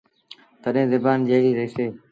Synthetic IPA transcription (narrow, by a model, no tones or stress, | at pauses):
t̪əɗẽːzɪbaːnd͡ʒeːiːɾeːseː